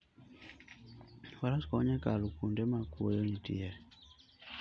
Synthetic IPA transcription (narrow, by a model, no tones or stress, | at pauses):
walaskɔɲɛkalukundɛmakuɔjɔɲitḭjɛ